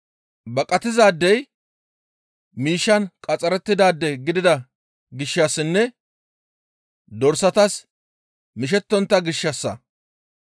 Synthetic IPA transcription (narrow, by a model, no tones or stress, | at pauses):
bɐkʼɐt̪ɪzaːd̪ːɛj | miːʃːɐnkʼɐt͡sʼɐɾɛt̪ːɪd̪aːd̪ːɛɡɪd̪ɪd̪ɐ | ɡɪʃːɐsːɪnːɛ | d̪ɔɾsɐt̪ɐs | mɪʃ̬ɛt̪ːɔnt̪ːɐɡɪʃːɐsːɐ̰